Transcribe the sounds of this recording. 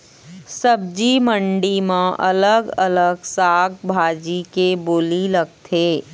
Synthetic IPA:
səb̚d͡ʒimə̃ɳɖimãʔɐ̰ləɡɐləɡsaːɡ̚bʱaːd͡ʒikeboːliləɡ̚t̪ʰeː

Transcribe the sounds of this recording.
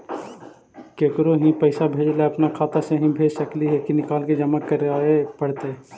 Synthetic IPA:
keːkɾoɦĩpəɪsabʱeːd͡ʒleɐpnakʰaːt̪aseɦĩbʱeːd͡ʒsəkliɦɛkinɪkaːlked͡ʒɐmakːəɾaepəɽt̪e

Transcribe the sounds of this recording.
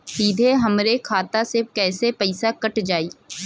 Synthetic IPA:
siːd̪ʱeɦɐmɾekʰaːt̪asɪkɛːsepɐɪsakɐʈd͡ʒaːiː

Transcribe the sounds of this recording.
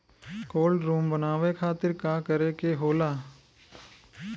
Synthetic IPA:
koːlɖɾuːmbənaːʋekʰaːt̪ɪɾkakəɾekeɦoːlaː

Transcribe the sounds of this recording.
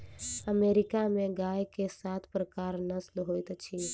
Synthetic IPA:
əmeːɾɪkamẽɡaːjkesaːt̪ʰpɾəkaːɾnəslɦoːjt̪t͡ʃʰi

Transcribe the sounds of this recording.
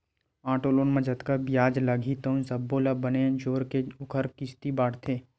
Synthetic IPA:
ãːʈoːloːnmɐ̃d͡ʒət̪kabijaːd͡ʒləɡʱit̪ə̃sɐbːoːlabəned͡ʒoːɾkeʊkʰəɾkɪst̪ibaːɽt̪ʰeː

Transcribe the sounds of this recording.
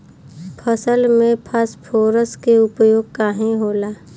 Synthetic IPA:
pʰəsəlmẽpʰəspʰoːɾəskeʊpəjoːɡ̚kaːɦẽɦoːlaː

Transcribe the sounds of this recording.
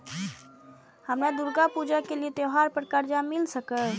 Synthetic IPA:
həmɾad̪uɾɡapud͡ʒakeliet̪jeɦaɾpəɾkəɾd͡ʒamɪlsəkəɦ

